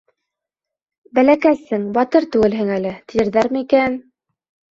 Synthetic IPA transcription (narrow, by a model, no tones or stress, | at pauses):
bælækæsɘŋbɑt̪ɤɾt̪ʉɡɘ̆lɦɘŋælɘt̪ĭjɘ̆ɾðæɾmɘikæn